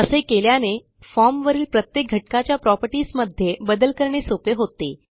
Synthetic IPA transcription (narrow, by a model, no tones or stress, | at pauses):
əsekeljane | fɔɾmʋəɾiːlpɾət̪jek̚ɡʱəʈkat͡ɕjapɾɔpəɾʈiːsməd̪ʱːjebəd̪əlkəɾɳesopeɦot̪e